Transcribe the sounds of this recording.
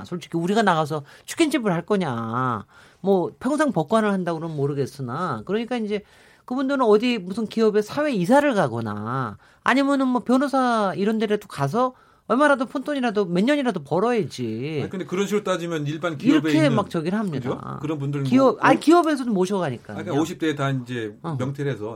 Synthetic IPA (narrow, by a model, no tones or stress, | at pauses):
sʰoɭt͡ɕ͈i̥kʰiuɾiɡanaɣas̬ʰʌt͡ɕʰu̥k͈ʰint͡ɕʰibɯɭhaɭk͈ʌɲa | mwʌpʰjʌŋs̬ʰaŋpʌk̚k͈wanɯɭhandaɡoɾoɯnmoɾɯɡe̞s͈ɯnakɯɾʌɲik͈aind͡ʑe̞ | kɯbundɯɾɯnʌdimusʰɯnkiʌbe̞sʰawe̞isʰaɾɯɭkaɡʌna̰ | a̰ɲimjʌnɯnmwʌpjʌnosʰaiɾʌndeɾet͈okas̬ʰʌ | ʌɭmaɾadopʰontʰoɲiɾadome̞nɲʌɲiɾadopʌɾʌɦed͡ʑikɯndekɯɾʌn̬ʰiɾot͈ad͡ʑimjʌniɭbankiɾʌbkʰemak̚t͡ɕʌɡiɾɯɦamɲidao̰kɯɾʌnbundɯɭiʌakiʌbe̞s̬ʰʌdomːoɕʰʌɡaɲik͈a̰kaoɕʰip̚t͈etaind͡ʑe̞mjʌŋtʰeɾesʰʌ